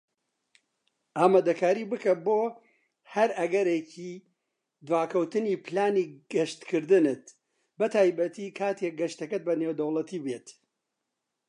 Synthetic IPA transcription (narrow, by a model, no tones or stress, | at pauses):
ʔaːmaːd̪ɐkaːɾibɨkɐboː | hɐɾɐɡɐɾeci | d̪waːkʰɐwt̪ɨniːpɨlaːniːɡɐʃt̪kʰɨɾd̪ɨnɨt̪ | bɐt̪ʰaːjbɐt̪ʰiːkʰaːt̪ʰek̚ɡɐʃt̪ɐkɐt̪̚bɐnewd̪ɐwlˠɐt̪ʰiːbeːt̪